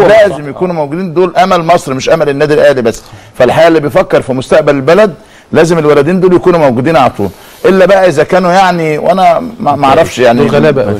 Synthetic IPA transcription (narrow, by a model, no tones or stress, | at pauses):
læːzemjækuːnumæwɡud̪iːnd̪oːlʔæmælmɑsˤɾimeʃʔæmælenːæːd̪ilʔæːlibæsː | fælħaæːʔlːiːbejefækːeɾˤfimʊst̪æʔbælelbælæd̪̚ | læːzemelwælæd̪iːnd̪oːljækuːnumæwɡud̪iːnʕalæt̪ˤṵːl | ʔelːæbæʔæʔezækæːnujaʕniwʔænæmmæʔɑʕɾˤɑfʃjaʕniɣlb